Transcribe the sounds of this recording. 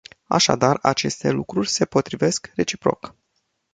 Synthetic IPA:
a̰ʃa̰d̪arat͡ʃe̞st̪e̞lukɾurʲse̞po̞t̪ɾive̞skre̞t͡ʃi̥pɾo̞̰k

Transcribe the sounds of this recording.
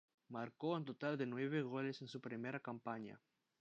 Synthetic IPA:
maɾkoent̪ot̪ald̪enweβeɣo̞lesensupɾimeɾakampaɲa̰

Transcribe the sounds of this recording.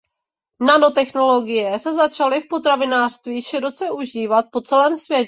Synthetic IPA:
nano̞t̪ɛxno̞lo̞ɡɪjɛsɛzat͡ʃalɪfpo̞t̪ɾavɪnaːr̥st̪viːʃɪɾo̞t͡sɛʔuʒiːvat̪̚po̞t͡sɛlɛːmsvjɛcɛ

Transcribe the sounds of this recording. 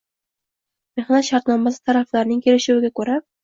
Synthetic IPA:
meχnat̪ʃaɾt̪nɒmasɪ̥t̪ʰaɾaflaɾnɪŋkʲʰe̞lɪʃɪwɪɡʲakʰɵɾa

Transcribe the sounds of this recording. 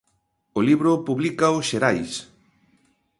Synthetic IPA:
oliβɾʊpuβlikaoʃeɾajs

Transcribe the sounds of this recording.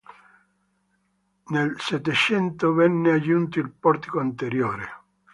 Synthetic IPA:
nelset̪ːet͡ʃɛnt̪ovɛnːead͡ʒunt̪oilpɔɾt̪i̥koant̪eɾjoːɾḛ

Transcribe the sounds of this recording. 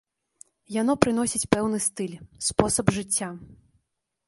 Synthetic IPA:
janɔpɾɨnɔsʲit͡sʲpɛwnɨst̪ɨlʲspɔsɐbʐɨt͡sʲːa

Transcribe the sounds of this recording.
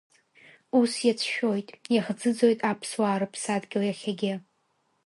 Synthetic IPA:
usjat͡sʰʃᶣo̞jtʼjaχd͡zɨd͡zo̞jtʼapʰswaːɾɨpʰsadɡʲɪlajaχʲaɡʲɪ

